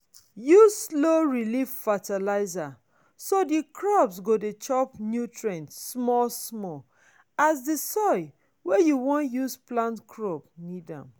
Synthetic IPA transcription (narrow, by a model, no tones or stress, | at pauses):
jussloɹilifːatalaɪza | sodikɹɔbs̬ɡodet͡ʃɔpnjutɹɛ̃nsmɔlsmɔ | as̬disɔɪ | wejuwɔ̃njusplãntkʰɹɔbnidã̰m